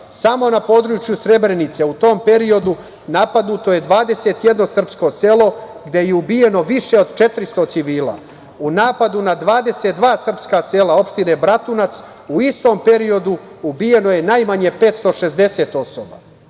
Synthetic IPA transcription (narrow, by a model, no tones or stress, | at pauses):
samo̞napo̞d̪ɾut͡ʃjusɾe̞bɾe̞nit̪seut̪o̞ːmpe̞ɾio̞d̪u | napad̪nut̪o̞je̞d̪ʋaːd̪ese̞t̪jed̪no̞sr̩psko̞selo̞ɡd̪e̞jeubije̞no̞ʋiʃe̞o̞d̪t͡ʃe̞t̪ɾist̪o̞t̪siʋiːla̰ | unaːpad̪unad̪ʋaːd̪e̞se̞t̪̚d̪ʋaːsr̩pskase̞ːlao̞pʃt̪ine̞bɾat̪unat̪s | uist̪o̞mpe̞ɾio̞d̪u | ubije̞no̞je̞najmaɲe̞pe̞ːt̪st̪o̞ʃe̞zd̪e̞se̞t̪o̞so̰ba̰